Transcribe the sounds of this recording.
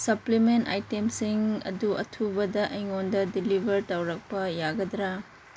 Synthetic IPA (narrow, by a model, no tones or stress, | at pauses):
sɐplimenta̰jtemsiŋɐ̰duɐ̰tʰubɐdɐʔɐjŋondɐdilibʱɐɾtɐwɾɐk̚pɐjaɡɐd̪ɾa